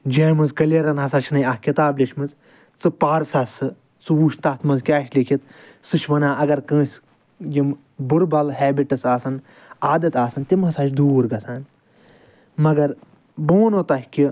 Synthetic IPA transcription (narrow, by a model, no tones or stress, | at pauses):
d͡ʒeːmɨnzkɐleɾɐnɦɐsaːt͡ʃʰnɐjɐhkʲit̪aːblʲiʃʰmɨnz | t͡sɨpaːɾsɐsɨ | t͡sɨʋuʃt̪ɐt̪ʰmɐnzkʲaːʃlikʰit̪̚ | sɨʃʋɐnaːʔɐɡɐɾkɐ̃ːsʲ | jim | buɾbɐlɦɛːbiʈɐsaːsɐn | aːd̪ɐt̪aːsɐnt̪imɦɐsaːt͡ʃʰd̪uːɾɡɐsaːn | mɐɡɐɾ | boːnot̪ɐhʲkʲi